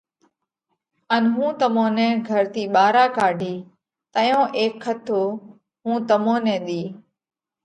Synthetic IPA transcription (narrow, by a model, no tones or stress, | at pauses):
ənɦũːt̪əmõːnɛ̃ːɡʱəɾt̪iːɓaːɾaːkaːɖʱiː | t̪əjõːʔeːkʰːət̪ʰoː | ɦũːt̪əmõːnɛ̃ːɗ̪iː